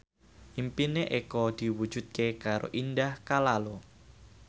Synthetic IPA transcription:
ʔimpineʔekɔd̪̥i̤wud̥ʒ̥ṳt̪̚kekaɾo̰ʔindahkalalo

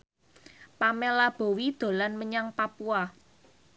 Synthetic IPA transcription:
pamelab̥o̤wid̪̥o̤lanməɲaŋpapua

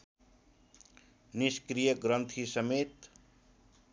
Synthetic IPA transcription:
niskɾijəɡɾʌnt̪ʰisʌmet̪

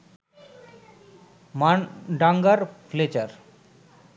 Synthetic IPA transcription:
maɖaŋɡaɾfʰlet͡ɕəɾ

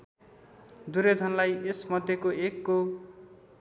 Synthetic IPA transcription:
d̪uɾed̪ʱʌnlajesmʌd̪ʱjekoekːo

